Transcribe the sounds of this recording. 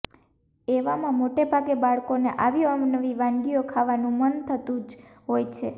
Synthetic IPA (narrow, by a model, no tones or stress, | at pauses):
eʋamãmoʈebʱaɡebaɭkoneʔaʋiamnəʋiʋãŋɡijokʰaʋanũmənt̪ʰət̪ũd͡ʒɦojt͡ʃʰe